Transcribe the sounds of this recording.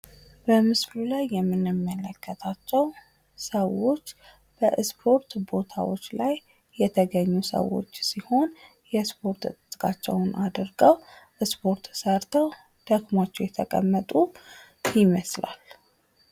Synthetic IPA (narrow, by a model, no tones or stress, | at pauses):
bəmɨslulajːɛmːɨnɨmːələkʰːət̪ʰat͡ʃːɛw | səwːo̞t͡ʃː | b̥əspʰo̞ɾt̪bo̞t̪ʰa̰wo̞̰t͡ʃːlajː | ɛt̪ʰəɡəɲːusə̰wːo̰t͡ʃːsiho̞n | jɛspʰo̞ɾt̪ɨt̪ʼɨt̪ʼkʼat͡ʃːɛ̰wnʔad̪ɾɡəwʔɨspʰo̞ɾt̪səɾt̪ʰəw | d̪̥əɡmat͡ʃːɛwjɛt̪ʰəkʼə̰mːət̪ʼu | jɪməsla̰l